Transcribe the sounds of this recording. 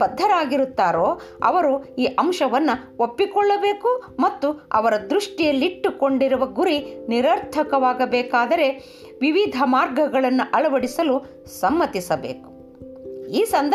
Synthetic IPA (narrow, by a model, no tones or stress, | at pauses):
ɐd̪ʱːɐɾaːɡiɾut̪ːaːɾoːɐ̰ʋɐɾuiːʔɐmʃɐʋɐnːɐopːikɔɭːɐbeːkumɐt̪ːuɐ̰ʋɐɾɐd̪ɾuʂʈijɐlːiʈːukoɳɖiɾuʋɐɡuɾiniɾɐɾt̪ʰɐkɐʋaːɡɐbɛːkaːd̪ɐɾe̞ | ʋiʋid̪ʱɐmaːɾɡɐɡɐɭɐnːuʔɐɭɐʋɐɽisɐlu | sɐmːɐt̪isɐbḛːku̥ | iːsɐnd̪